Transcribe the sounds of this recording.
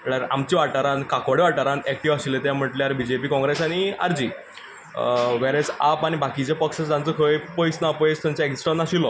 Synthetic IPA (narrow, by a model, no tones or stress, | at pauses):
ɽaɾamt͡ɕiʋaʈaɾãnkakʋaɽeʋaʈaɾãnɛk̚ʈiʋaɕilet̪jam̤əʈljaɾbid͡ʑepiːkɔ̃ŋɡɾesaɽ̃ia̰ɾd͡ʑiː | ʋɛɾad͡zapaɽ̃ibʱakit͡ɕepəkʂət͡sd͡z̪ãnt͡səkʰəjpəjsnapəjst̪jamt͡ɕaeksʈanaɕilɔ